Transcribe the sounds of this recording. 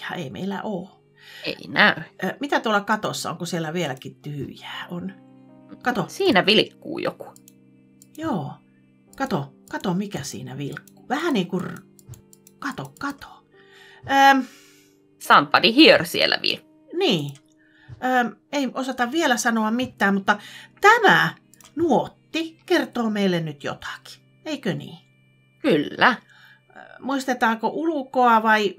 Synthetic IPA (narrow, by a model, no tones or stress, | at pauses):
ɑḛimʔḛilæ̰ʔoː | ḛinæymit̪æt̪uolːɑkɑt̪osːɑ̰o̰ŋkusielːˑæʋielækitt̪yhy̰jæːʔon | kɑt̪osiːnæʋilkːṵːjo̰ku̥ | joː | kɑt̪okɑt̪omikæsḭːnæ̰ʋilkːu̥ːʋæhæniːŋkur | kɑt̪okkɑt̪o̥ | əːm | sɑmpːɑnihiersielːæ̰ʋḭlkː | niː | əːeimʔosɑt̪ɑʋʋielæsɑnoɑmmit̪ːæːmmut̪ːɑt̪æmæ | nuot̪ːikert̪oːmeilːennyt̪jo̰t̪ɑ̥ki̥ | eikønḭː | kylːæ | muist̪et̪ɑːkoʔulukoɑʋɑi